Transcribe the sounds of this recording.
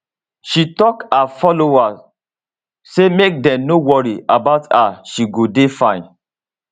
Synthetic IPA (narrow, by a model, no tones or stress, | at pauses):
ʃitɔkafɔlowa | semek̚dɛ̃mnowɔɹiabaʊtʰaʃiɡodefãɪ̃n